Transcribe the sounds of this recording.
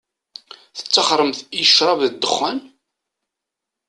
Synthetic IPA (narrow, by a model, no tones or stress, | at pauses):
θə̥t͡sːɑχɾˤəmθiəʃɾˤɑvðəd̪ːəχːæn